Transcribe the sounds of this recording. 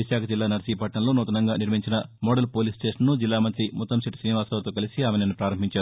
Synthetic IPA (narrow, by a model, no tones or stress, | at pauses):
ʋiʃaːkʰɐd͡ʒilːaːnɐɾɐsiːpɐʈnɐnloːnɔːt̪ɐnɐŋɡaːniɾmiɲt͡ʃinɐmɔːɽɐlpoːlisʈeːʂɐnːud͡ʒilːaːmɐnt̪ɾimut̪ːɐmsiʈsɾiːniʋaːsɐːʋɐt̪oːkɐlisiaːmenɐnːupɾaːɾɐmbʱiɲt͡ʃaːɾu